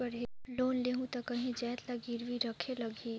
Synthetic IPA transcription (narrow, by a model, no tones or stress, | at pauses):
ɐɾiloːnleːɦũt̪ɐkɐɦĩd͡ʒɛːt̪laɡiɾʋiɾɐkʰelɐɡʱi